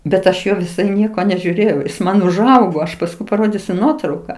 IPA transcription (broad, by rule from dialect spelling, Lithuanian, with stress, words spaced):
bʲɛt ˈɐʃ ˈjoː ʋʲɪˈsɐɪ ˈnʲiɛkoː nʲɛʒʲuːˈrʲeːjɛʊ ˈjɪs ˈmɐn ʊʒˈɐʊɡoː ˈɐʃ pɐsˈkʊɪ pɐˈroːdʲiːsʲʊ ˈnuɔtrɐʊkɐ